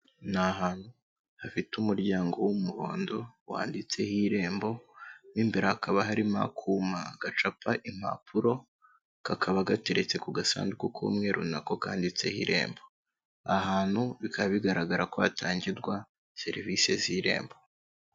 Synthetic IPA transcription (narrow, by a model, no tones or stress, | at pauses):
naɦaːn̥hu | hafitumuɾɟaːŋɡo̞wumuɾo̞ːndo̞wa̰ːndit͡se̞hiɾe̞ːmbo̞niːmbeɾahakʰaβaɦaɾima̰kʰuːmaɡ̥at͡ʃapʰaʔim̥a̰pʰuɾo̞ | kakʰaβaɡate̞ɾe̞t͡se̞kuɡasa̰ːndukukʰo̰mŋe̞ɾʔṵnako̞kaːndit͡se̞hḭɾʔe̞̰ːmbo̞ | ahaːn̥huβikaβiɡaɾaɡaɾakoatʰaːɲɟidɡwa | se̞ɾivise̞ziɾe̞̰ːmbo̞